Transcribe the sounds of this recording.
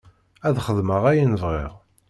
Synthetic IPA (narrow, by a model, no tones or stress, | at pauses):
æðχəðməʁæjənəvʁḭʁ